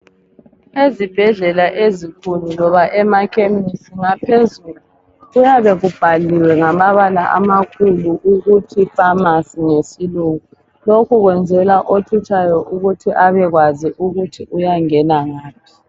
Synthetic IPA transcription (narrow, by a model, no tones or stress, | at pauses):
ezib̥ʱɛɮɛlaʔezikʰululɔβaʔɛmakʰemisiŋapʰezulu | ɣujaβɛɣub̥ʱaliwɛŋamaβalaʔa̰makʰuluʔuɣutʰifʼamasiŋesiluːŋu | lokʰuɣwɛnd͡zʱɛlaʔotʰut͡ʃʰajɔʔuɣutʰiʔaβɛɣwaziʔuɣutʰiʔujaŋɛnaŋaːp̚ʰi̥